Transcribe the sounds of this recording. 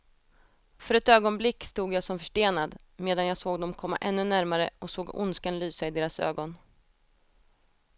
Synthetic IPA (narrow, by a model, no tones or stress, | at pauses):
fœɾɛt̪øːɡɔnblɪkːst̪uːɡjaːsɔmfœʂʈeːnad̪ | meːd̪anjaːsoːɡd̪ɔmkʰɔmːa̰ʔɛnːɵnæɾmaɾə̰ɔksoːɡʊ̰nskanlyːsaɪd̪eːɾasø̰ːɡɔn